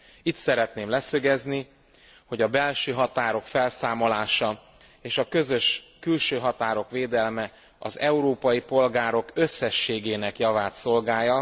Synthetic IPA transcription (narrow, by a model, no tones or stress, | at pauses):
it̪sɛɾɛt̪neːmlɛsøɡɛzni | ho̞ɟɒbɛlʃøːɦɒt̪aːɾo̞kfɛlsaːmo̞laːʃɒ | eːʃɒkø̞zø̞ʃkylʃøːɦɒt̪aːɾo̞kveːd̪ɛlmɛ | ɒ̰zɛuɾoːpɒjipo̞lɡaːɾo̞kø̞sːɛʃːeːɡeːnɛkjɒvaːt̪so̞lɡaːjɒ